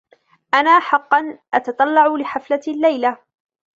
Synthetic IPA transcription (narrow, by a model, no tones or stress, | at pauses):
ʔanaːħɑqːɑnʔɑt̪ɑt̪ˤɑlːɑʕʊlɪħaflalːajla